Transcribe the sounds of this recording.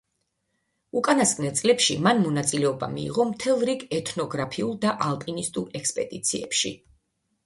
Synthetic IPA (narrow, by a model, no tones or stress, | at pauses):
ukʼanaskʼnɛlt̪sʼlɛpʃimanmɔnat̪sʼilɛɔba̰mḭːʁɔmt̪ʰɛlˠɾiɡɛt̪ʰnɔɡɾapʰiulˠd̪aʔalˠpʼinist̪ʼuɾɛkspʼɛd̪it̪sʰiɛ̰pʃḭ